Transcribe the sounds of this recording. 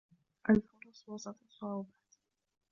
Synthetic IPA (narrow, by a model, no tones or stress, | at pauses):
ʔalfʊɾˤɑsˤwɑsˤɑlɑsˤːʊʕʊbaːt̪